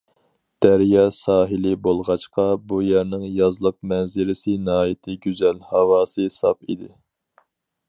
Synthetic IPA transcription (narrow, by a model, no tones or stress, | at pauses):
d̪̥æɾjɑːsɑːɦɪlɪbolˠʁɑt͡ʃqʰɑbujæɾnɪŋjɑzlˠəq̚mɛnzɪɾɪsɪnɨɦɑːjit̪ʰɪɡʲyzɛlhɑwɑːsɨsɑ̰pḭd̪ɪ